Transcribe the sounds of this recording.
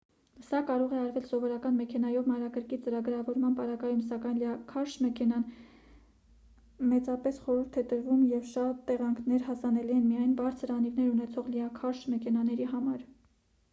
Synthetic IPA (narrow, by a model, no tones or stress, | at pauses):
sɑkɑɾɔʁɛɑɾvɛlsɔvɔɾɑkɑnmɛkʰɛnɑjɔvmɑɾɑkəɾkit͡səɾɑɡɾɑvɔɾmɑnpɑɾɑɡɑjumsɑkɑjnlɑkʰɑɾʃmɛkʰɛnɑn | mɛt͡sɑpɛsχɔɾuɾt̪ʰɛt̪əɾvumjɛvʃɑt̪ːɛʁɑŋkʰnɛɾhɑsɑnɛliɛnmijɑjnbɑɾt͡sʰəɾɑnivnɛɾunɛt͡sʰɔʁliɑkʰɑɾʃmɛkʰɛnɑnɛɾiɦɑmɑɾ